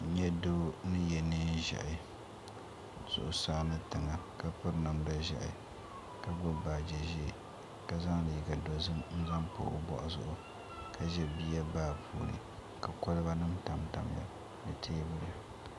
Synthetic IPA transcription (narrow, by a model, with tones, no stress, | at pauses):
ɲɛ˦doː˦nɨ˦jɛ˨nɨ˦ʒɛ̰˨ʔɪ˨ | z̥ʊ̰˨ʔʊ˨saː˦nɨ˦tɨ˨ŋa˨ka˦pɨ˦ɾna˨mda˦ʒɛ̰˨ʔɪ̰˨ | ka˨ɡʊ˦baː˨d͡ʒɛ˨ʒi˦˨ | ka˨za˦ŋ˦lɨ˨i˨ɡa˨do˨zɨ˦mn̩˦za˦ŋpo̰˨ʊ̰˦bɔ̰˨ʔa˨zʊ̰˦˨ʔʊ˨ | kʰa˦ʒɛ˨biː˦a˦baː˦˨pʰṵː˨ɾɨ̰˨ | ka˨ko˦lɨ˦ba˦nɨ˦m˦ta˨mta˨m˨ja̰˨ | bɨ˨tʰe˦bʊ˦ɾa˨